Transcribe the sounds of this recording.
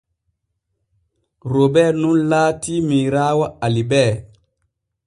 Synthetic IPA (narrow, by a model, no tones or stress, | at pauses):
ɾobɛɾnunlaːtimiɾaːwaalibɛː